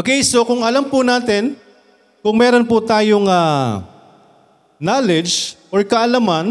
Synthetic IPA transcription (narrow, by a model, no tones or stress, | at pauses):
ɐkɛjsokʊŋɐlampʊnaːt̪ɪn | kʊŋmɛːɾonpʊt̪aːjoŋa | naːlɛd͡ʒʔoɹkɐʔɐlaman